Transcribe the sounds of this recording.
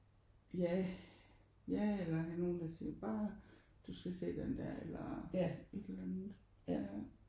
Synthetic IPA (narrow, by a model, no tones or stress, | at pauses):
jæ | jæelɐkʰæno̝ːnd̥æsḭːb̥ɑ̈ː | d̥usɡ̥æse̝̰ːd̥end̥æ̰ɐ̰elɐe̝d̥elænð̩ˠ